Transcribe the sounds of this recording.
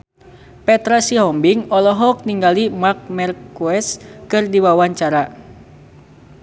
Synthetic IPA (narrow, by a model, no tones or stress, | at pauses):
pɛt̪ɾasiɦɔmbiŋɔlɔɦɔk̚niŋɡalimak̚mɛrkuɛskɨrdiwawaɲt͡ʃaɾa